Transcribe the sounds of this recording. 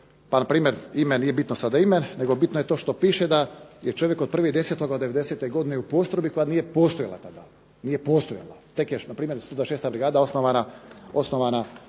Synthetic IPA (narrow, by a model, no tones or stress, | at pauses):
panapɾiːmeɾimeniːje̞bit̪nosad̪aimenːeɡo̞bit̪noje̞t̪o̞ːʃt̪o̞piːʃed̪ajet͡ʃo̞ʋje̞kod̪̚pɾr̩ʋed̪e̞set̪o̞ɡaoeʋe̞d̪eseːt̪eɡo̞d̪ineupo̞st̪ɾobikojaniːjepo̞st̪ojala̰t̪ad̪a | niːjepo̞st̪oja̰lˠa̰t̪e̞kjenapɾiːmjeɾst̪od̪vaeʃeːst̪abɾiɡaːd̪ao̞snoʋanao̞snoʋana